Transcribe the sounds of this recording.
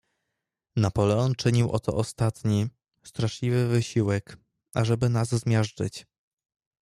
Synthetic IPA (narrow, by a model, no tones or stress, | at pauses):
napɔlɛɔnt͡ʂɘɲiwʔɔ̰t̪ɔ̰ʔɔst̪at̪ɲi | st̪ɾaʂlʲivɘvɘɕiwɛk | aʐɛbɘnazzmʲjaʂt͡ʂɘt͡ɕ